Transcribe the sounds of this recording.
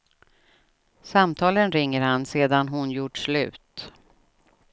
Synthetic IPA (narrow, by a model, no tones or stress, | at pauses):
samt̪ʰɑːlənɾɪŋːəɾhanseːd̪anɦʊnjuːʈʂlʉ̟ːt̪